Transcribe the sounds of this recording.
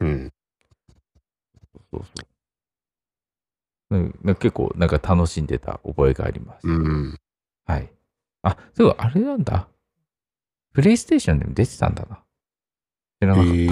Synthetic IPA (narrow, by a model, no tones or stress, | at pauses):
ɯ̃ | s | soːsoːso̞̰ːsoː | nenake̞kːo̞̰ːnãŋkat̪ʰano̞ɕĩnd̪e̞t̪a̰o̞̰bo̞e̞ɡa̰ːɾʲimaɕi̥t̪ | hai | asoɡoʔaɾenãnd̪a̰ | ɸɯ̟ɾe̞isɨ̥t̪e̞ːɕõnd̪e̞̰mod̪e̞t̪e̥t̪ã̰nd̪ana | ɕiɾanaka